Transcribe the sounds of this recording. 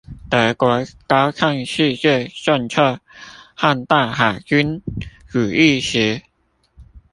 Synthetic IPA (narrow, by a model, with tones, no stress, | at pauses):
t̪ə˨˧kwɔ˨˧˦ka˦˥wkʰa˥˧ŋɕi˥˧t͡ɕɛ˥˧sa˥˧˨nt͡sʰə˥˧˩ha˥˧nt̪a˥˩xa˨˩t͡ɕy˦˥nɻu˨˩i˥˧ɕi˨˦